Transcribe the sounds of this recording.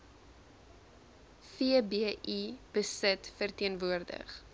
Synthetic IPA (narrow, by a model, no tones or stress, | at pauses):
fiəbeːʔib̥əsətfərtiənvuərdə̰χ